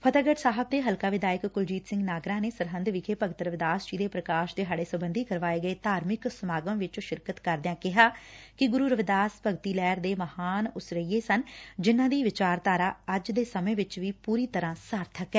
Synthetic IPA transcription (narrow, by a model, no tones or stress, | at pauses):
pʰət̪əɡəʈsaːɦəb̚d̪eːɦəlkaːʋɪd̪aːjɪkːʊld͡ʒiːt̪sɪ̃ŋɡnaːɡɾãːneːsəɾɦənd̪ʋɪkʰeːpəɡət̪ɾəʋɪd̪aːsd͡ʒiːd̪eːpɾəkaːʃd̪eːɦaːɖeːsəbənd̪iːkəɾʋaːeːɡəeːt̪aːɾmɪksəmaːɡəmʋɪt͡ʃoʃɪɾkət̪kəɾd̪ɪjãːkɪɦaːkɪɡʊɾuːɾəʋɪd̪aːspəɡt̪iːlɛːɾd̪eːməhaːnʊsɾəiːeːsənd͡ʒɪnːãːd̪iːʋɪt͡ʃaːɾt̪aːɾaːəd͡ʒd̪eːsəmẽːʋɪt͡ʃʋiːpuːɾiːt̪əɾãːsaɾt̪ʰəkɛː